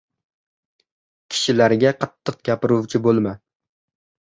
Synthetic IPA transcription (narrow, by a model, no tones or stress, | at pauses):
kʲʰɪ̥ʃɪlaɾɡʲaqʰɑt̪ʰːɨq̚ɡʲapɪɾuwt͡ʃʰɪbolˠma